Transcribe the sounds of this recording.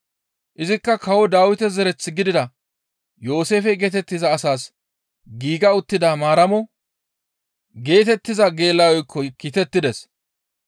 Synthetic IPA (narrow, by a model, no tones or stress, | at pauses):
ʔɪzɪkːɐkɐwɔd̪aːwɪt̪ɛzɛɾɛt͡sːɪɡɪd̪ɪd̪ɐ | jo̞ːse̞ːfɛɡeːt̪ɛt̪ːɪzɐːsaːs | ɡiːɡɐʊt̪ːɪd̪amaːɾɐmɔ | ɡe̞ːt̪ɛt̪ːɪzɐɡe̞ːlːawɔjkʰːɔkiːt̪ɛt̪ːɪd̪ɛs